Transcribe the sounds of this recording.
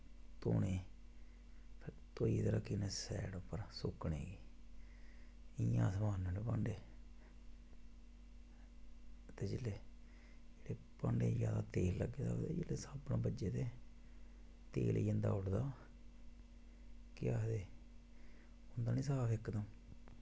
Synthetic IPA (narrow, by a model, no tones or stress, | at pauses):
t̪o̰ːneː | pʰɪɾt̪oːiːt̪əɾaːkineːsɛ̰ːɽopəɾsʊkɳḛːɡiː | ɪjãːsəmaːnmeleːpaːɳɖeː | t̪eːd͡ʒeleː | d͡ʒeːɽeː | pãːɳɖḛːd͡ʒjaːd̪aːt̪eːlːəɡeːd̪a̰t̪eːd͡ʒeːleːsaːpnãːbəd͡ʒeːt̪eː | t̪ḛːliːə̃nd̪a̰ːʊʈd̪aː | kɪaːd̪eː | ʊnd̪aːnĩːsaːpɪkːd̪ãː